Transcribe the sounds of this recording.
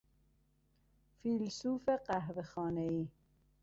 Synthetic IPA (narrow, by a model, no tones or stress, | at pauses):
filsuːfeqæɦvexɔːnei